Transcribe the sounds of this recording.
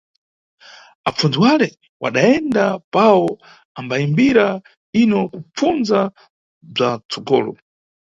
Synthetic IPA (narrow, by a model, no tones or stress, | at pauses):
ap͡fund͡ziwalɛ | wʔa̰ɗaɛndapaɔ | ambaimbiɾa | inɔkup͡fund͡za | b͡ʐat͡sɔɡɔːlɔ̰